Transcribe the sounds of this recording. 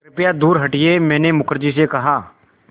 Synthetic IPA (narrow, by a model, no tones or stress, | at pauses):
ɪpɪjad̪uːɾɦɐʈɪemɛ̃ːnemʊkʰəɾd͡ʒisekɐɦaː